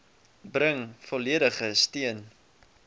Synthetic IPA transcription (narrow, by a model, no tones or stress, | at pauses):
brəŋfɔliəɾəχəstiən